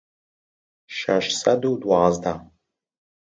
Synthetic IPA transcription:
ʃaʃsɐduːdwaːzd̪aː

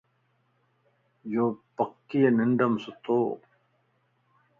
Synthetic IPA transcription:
jopɐkːijeniɳɖɐmsut̪oː

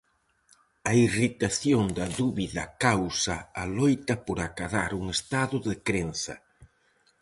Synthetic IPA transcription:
ɐirit̪aθjond̪ɐðuβiðɐkawsɐalojt̪ɐpoɾakaðaɾuŋest̪aðʊðɪkɾen̟θɐ̰

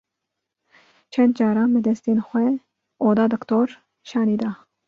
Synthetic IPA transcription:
t͡ʃʰɛnd̪̚d͡ʒɑːɾɑːnbɨd̪ɛst̪eːnxʷɛ | ʔoːd̪ɑːd̪ɨkt̪oːɾ | ʃɑːniːd̪ɑː

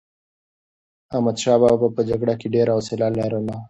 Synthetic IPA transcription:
amad̪ʃɑːbabbapəd͡ʒaɡɽakeɖeɾaosɪlalaɾana

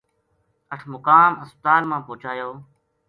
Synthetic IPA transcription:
əʈʰmʊkaːməspət̪aːlmãːpoːt͡ʃaːjoː

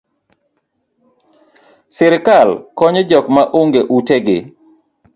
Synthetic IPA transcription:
sɪɾkalkɔɲed͡ʒɔkmaʔoŋɡeʔuteɡɪ

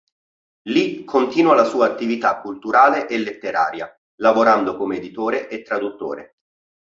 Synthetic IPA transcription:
likʰːont̪iːnualasuːaːt̪ːivit̪akːult̪uɾaːleʔelːet̪ːeɾa̰ːɾja | lavoɾand̪okomeed̪it̪oːɾeʔet̪ːɾad̪ut̪ːo̰ːɾḛ

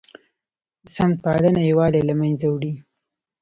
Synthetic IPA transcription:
əsam̚pɑlənajawɑlelamanzawɽi

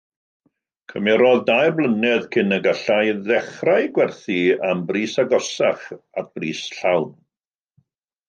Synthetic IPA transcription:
kʰəmɛɾɔðdajrblˠənɛðkʰɪnəɡaɬajðɛχrajɡwɛrθiambriːsaɡɔsaχa̰t̚b̥riːsɬawn

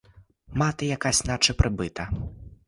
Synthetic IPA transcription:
mat̪ɨjakasʲnat͡ʂɨpɾʔɨbɨt̪ɐ

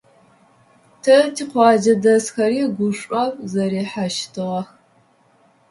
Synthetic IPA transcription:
tʰɐtʰiːqʷɑːd͡ʒɐdɐsxɐɾiːɡʷʊʂʷʼɐwzɐɾiːħaʃtʰɨʁɐx

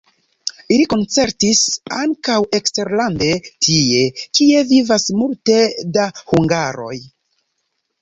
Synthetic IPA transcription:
iliko̞nt͡se̞ɾtisaŋkawe̞kste̞ɾlande̞tʰie̞kie̞vivasmulte̞dahuŋɡaɾo̞̰j

